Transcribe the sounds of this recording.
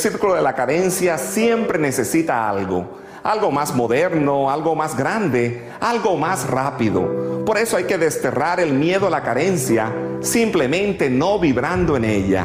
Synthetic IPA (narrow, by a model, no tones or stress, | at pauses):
siɾkulo̞ðelakaɾe̞nsjasje̞mpɾe̞ne̞se̞sit̪aalɣo̞̰ | alɣo̞mazmo̞ðe̞ɾno̞alɣo̞mazɡɾand̪e̞ | alɣo̞masrapiðo̰po̞ɾe̞soajke̞ðest̪e̞raɾe̞lmje̞ðoalakaɾe̞nsja | simple̞mẽ̞nt̪e̞no̞βiβɾand̪oe̞neʎa̰